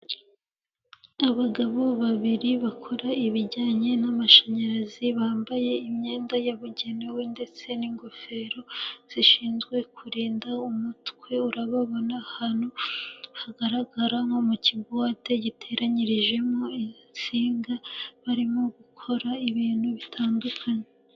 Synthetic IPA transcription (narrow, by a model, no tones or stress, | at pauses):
aβaɡaβo̞βaβiɾiβakʰo̞ɾaiβiɾɟaːɲe̞namaʃaɲaɾaziβaːmbaje̞imɲe̞ːndajaβuɟe̞newe̞nde̞t͡se̞niŋɡofe̞ɾo̞z̥iʃiːnzɡwe̞kʰuɾiːndaumutkwe̞uɾaβaβo̞nahanohaɡaɾaɡaɾamomuciɡwaːte̞ɟitʰe̞ɾaɲiɾiʒe̞mo̞it͡siːŋɡaβaɾimo̞ɡukʰo̞ɾaiβiːnhuβitʰaːndukʰaɲe